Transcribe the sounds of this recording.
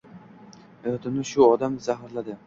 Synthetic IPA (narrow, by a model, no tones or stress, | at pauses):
et̪ɪnɪʃʊɒd̪amzaɦɾlad̪ɪ